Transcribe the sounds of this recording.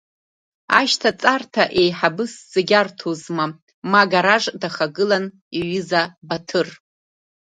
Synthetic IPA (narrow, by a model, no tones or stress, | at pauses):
aʃtʰat͡sʼartʰaʔe̞jħabɨsz̥aɡʲartʰozma | maɡaɾaʐdaχaɡɨlan | iɥɨzabatʰɨr